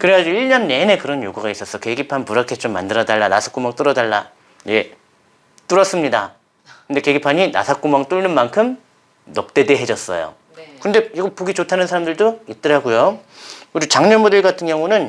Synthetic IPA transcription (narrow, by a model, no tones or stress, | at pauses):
kɯɾeɦad͡ʑuiɭɲʌnːe̞ne̞kɯɾʌnjoɡuɡais͈ʌs͈ʌkeɡipʰanpuɾakʰet͡ɕ͈omːandɯɾʌdaɭːana̰sʰḁk͈umaŋt͈ɯɾʌdaɭːa̰ | je̞ | t͈uɾʌs͈ɯmɲida | kɯnde̞keɡipʰaɲina̰sʰak͈umaŋt͈uɭnɯnmankʰɯm | nʌp̚t͈e̞deɦe̞d͡ʑʌs͈ʌ̰jo̰ | kɯnde̞joɡopoɡit͡ɕotʰanɯnsʰaɾamdɯɭdoit̚t͈ɯɾɦaɡujo | uɾit͡ɕaŋɲʌnmudɯɭɡatʰɯnɡjʌŋunɯn